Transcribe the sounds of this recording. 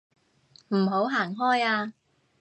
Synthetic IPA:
m̩˨˩ɦo˨˥wɦaː˨˩ŋɦɔː˥jaː˧

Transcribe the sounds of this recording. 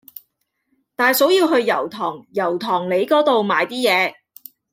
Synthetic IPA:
t̪aː˨˧jso˨˥wjiː˧wɦɵ˧ɥjɐ̰˨˩wt̪ʰɔː˨˩ŋjɐ˨˩wt̪ʰɔː˨˩ŋle˨˧jkɔː˨˥t̪o˨wmaː˨˧jt̪iː˥jɛː˨˧

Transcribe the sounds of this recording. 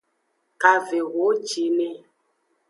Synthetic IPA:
ka˨ve˨ɣo˨˦d͡ʒi˨˦nɛ˦

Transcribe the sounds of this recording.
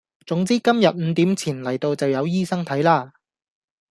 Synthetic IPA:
t͡sʊ˨˥ŋt͡siː˥kɐ˥mjɐ˨t̚m̩˨˧t̪iː˨˥mt͡sʰiː˨˩nlɐ˨˩jt̪o˧wt͡sɐ˨wjɐ˨˧wjiː˥sɐ˥ŋt̪ʰɐ˨˥jlaː˥˧

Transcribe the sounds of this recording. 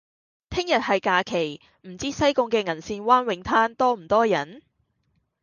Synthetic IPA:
t̪ʰɪ˥ŋjɐ˨t̚hɐ˨jkaː˧kʰe˨˩j | m̩˨˩t͡siː˥sɐ˥jkʊ˧ŋkɛː˧ŋɐ˨˩nsiː˧nwaː˥nwɪ˨˥ŋt̪ʰaː˥nt̪ɔː˥m̩˨˩t̪ɔː˥jɐ˨˥n

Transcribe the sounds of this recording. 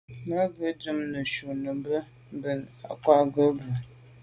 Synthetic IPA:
nə˦ɡə˦d͡ʒɨ˦mnə˨ʃu˨nə˨mbə˦ | m˦bə˨na˨kwa˦ɡə˦bə˨

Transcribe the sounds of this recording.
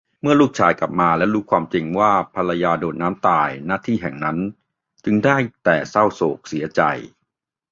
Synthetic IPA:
mɯ˥˩ɐluː˥˩k̚t͡ɕʰaː˧jka̰˨˩p̚maː˧lɛ˦˥wɾuː˦˥kʰwaː˧mt͡ɕi˧ŋwaː˥˩pʰa˧la˧jaː˧doː˨˩t̪̚naː˦˥mt̪aː˨˩jnaː˥˩t̪ʰiː˥˩ɦɛ˨˩ŋna˦˥n | t͡ɕɯ˧ŋdaː˥˩jt̪ɛː˨˩sa˥˩wsoː˨˩k̚si˩˦ɐt͡ɕa̰˧j

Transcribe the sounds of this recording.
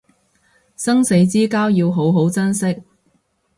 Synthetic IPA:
sɐ˥ŋse˨˥jt͡siː˥kaː˥wjiː˧wɦo˨˥wɦo˨˥wt͡sɐ˥nsɪ˥k̚

